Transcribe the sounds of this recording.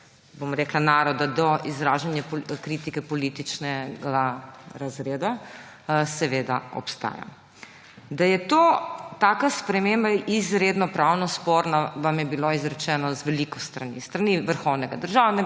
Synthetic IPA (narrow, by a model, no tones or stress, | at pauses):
bomɾɛklanaːɾɔd̪ad̪ɔizɾaːʒanjakɾit̪ikɛpɔlit̪it͡ʃnɛɡaɾazɾeːd̪a | sɛʋed̪a̰ɔ̰pst̪a̰ːja̰ | d̪ajɛt̪oːt̪aːkaspɾɛmembaizɾeːd̪nɔpɾaːwnɔspoːɾnaʋamjɛbiloizɾɛt͡ʃɛːnɔzʋɛlikɔst̪ɾanḭst̪ɾaniʋəɾxɔwnɛɡad̪əɾʒaːwnɛ